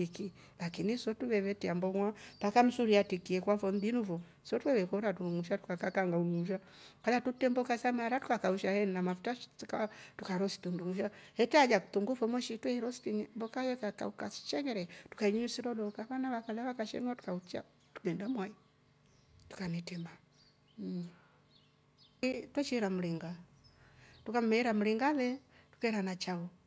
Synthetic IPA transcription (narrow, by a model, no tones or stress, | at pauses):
iki | lakinisɔtuβɛβɛtɛambɔŋwapakam̩suɾiatikiɛkwafɔndinuvɔ | sɔtwɛβɛkɔɾatuuŋuʃatu̥kakakaŋɡauŋuʃ̬a | kalatutɛmbɔkasamaɾatu̥kakauʃahɛnnamafutaʃskatukaɾɔsi̥tunduŋuʃahɛtad͡ʒaku̥tuŋɡufɔmwɔʃitwɛɾɔsi̥tiɲmbɔkajɛkaka̰ukasi̥ʃɛŋɛɾɛtukaiɲɲusiɾɔɗɔkaβanaβakalɛβakaʃɛ̰nwatu̥kaut͡ʃa̰ | tu̥ɡɛndamwai | tu̥kanitɛma | twɛt͡ʃiɾam̩liŋɡa | tukam̩mɛɛɾam̩liŋɡaðɛtu̥kaiɾanat͡ʃaɔ